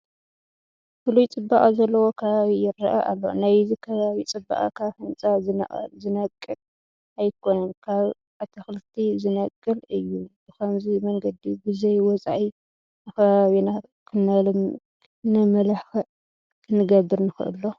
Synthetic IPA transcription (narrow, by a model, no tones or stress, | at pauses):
fɨlujt͡sʼɨbːaχʼzɐlːɐwokʰɐβaβijɪɾɐʔaʔa̰lːo̰najzɨkʰɐβaβit͡sʼɨbːa̰ʔʼakʰaβhɨnt͡sʼazɨn̰zɨnɐkʼːɨl | ajkʰo̞nɐnkʰaβ | at̪ʰɐxlɨt̪ʰizɨnɐkʼːɨlɨjːu | kʰɐmzimɐŋɡɐd̪ibɨzɐjwɔt͡sʼaʕi | nɨkɐβaβina | kʰɨnal | nɐmɐlaħx | kʰɨnːɨɡɐbːɨɾnɨxɨ̰ʔɨ̰lːo